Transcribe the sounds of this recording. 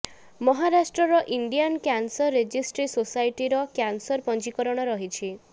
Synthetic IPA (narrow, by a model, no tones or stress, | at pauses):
mɔɦaɾasʈɾɔɾɔʔiɳɖijankjansɔɾːed͡ʒisʈɾisosajʈiɾɔkjansɔɾpɔnt͡ʃikɔɾɔɽ̃ɔɾɔɦit͡ʃʰi